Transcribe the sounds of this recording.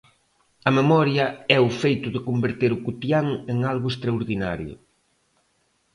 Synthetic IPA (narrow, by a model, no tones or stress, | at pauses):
ɐmemɔɾjɐɛʊfejt̪ʊðɪkombeɾt̪eɾʊkut̪jaŋeŋalɣʊest̪ɾaoɾðina̰ɾjʊ̰